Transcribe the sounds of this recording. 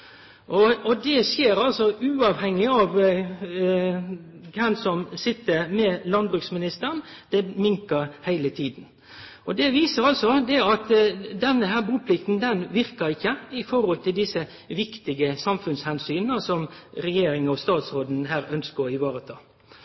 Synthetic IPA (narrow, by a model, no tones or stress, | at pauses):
ʔɔɔd̪ɛsjeːɾɑlsɔʔʉːɑʋhɛŋːɪɑʋ | kʰɛnsɔmsɪt̪ːəɾmɛlɑnd̪bɾʉksmɪnɪst̪əənd̪̥ɛmɪŋkəɾhæɪlət̪ʰiːd̪n̩ | ɔd̪ɛʋiːsəɾɑlsɔd̪ɛɑt̪d̪ɛnːəɦæːbuːpʰlɪkt̪n̩d̪ɛnʋɪʁkəɾɪçːəɪfɔɾhɔlt̪ʰɪld̪ɪsə | ʋɪkt̪ɪɡəsɑmfʉnshɛnsyːnnəsɔmɾɛjeːɾɪŋɔst̪ɑːt̪sɾoːd̪n̩ɦæːɾœnskəɪʋɑːɾət̪ʰɑ̰ː